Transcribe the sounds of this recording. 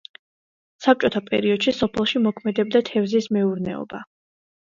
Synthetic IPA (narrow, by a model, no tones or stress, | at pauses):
sap̚t͡ʃʼɔt̪ʰapʼɛ̰ɾiɔd̪̥ʃisɔpʰɛlˠʃimɔkʰmɛd̪ɛb̚d̪at̪ʰɛvzismɛuɾnɛ̰ɔ̰ba